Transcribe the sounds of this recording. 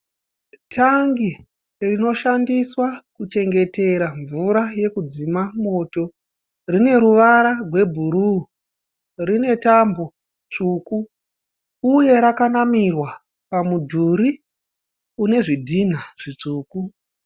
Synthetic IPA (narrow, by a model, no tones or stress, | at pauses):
tʰaŋɡi | rino̞ʃandiswakut͡ʃe̞ŋɡe̞te̞ɾaɱvuɾaje̞kud͡zimamo̞to̞ | rine̞ɾuʋaɾarwe̞bʱuɾu | rine̞tambo̞ | t͡ʂuːku | uje̞ɾakanamirwa | pamudʱuɾi | une̞ʐidʱin̤aʐ̥it͡ʂuːku